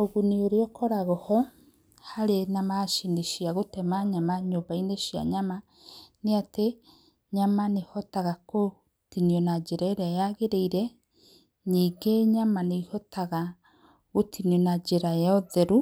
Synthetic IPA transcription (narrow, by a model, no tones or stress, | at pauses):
oɣunioɾeɔkɔɾaɣɔhɔ | haɾenamaʃeneʃiaɣotɛmaɲamaɲoːbaineʃia̰ɲama | neate | ɲamanehɔtaɣako | tinjɔnad͡ʒeɾaeɾajaɣeɾeiɾɛ | ɲiːɡeɲamaneihɔtaɣa | ɣotiniɔnad͡ʒeɾajaoðeɾu